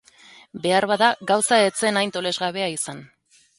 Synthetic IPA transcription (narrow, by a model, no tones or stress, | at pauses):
be̞aɾβaðaɡawsae̞t͡se̞najnt̪o̞le̞zɣaβe̞aisan